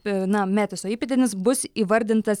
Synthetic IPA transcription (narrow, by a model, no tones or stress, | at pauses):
nɐmʲæːt̪ʲesoːiːpʲɛt̪ʲenʲɪsbʊsiːʋɐɾʲd̪ʲɪnt̪ɐs